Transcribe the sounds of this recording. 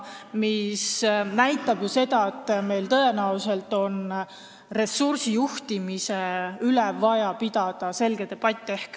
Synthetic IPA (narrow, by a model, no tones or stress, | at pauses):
misnæjt̪ːˑɑb̥juse̞d̪ɑet̪ːˑme̞jlt̪ɤe̞næwse̞lt̪ːˑo̞n | re̞sːursijuht̪imiseylɛvɑjɑpid̪̥ɑd̪̥ɑse̞lɡ̥e̞d̪e̞b̥ɑt̪ʲːˑe̞hk